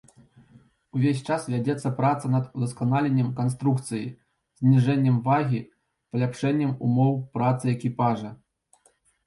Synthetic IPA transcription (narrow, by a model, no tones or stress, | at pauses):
uvʲesʲt͡ʂasvʲjad͡zʲɛt̪sːɐpɾat̪sɐnɐd̪ud̪ɐskanalʲenʲːɐmkans̬t̪ɾukt̪sɨji | zʲnʲiʐɛnʲːɐmvaɣʲi | pɐlʲapʂɛnʲːɐmumɔwpɾat̪sɨɛkʲipaʐɐ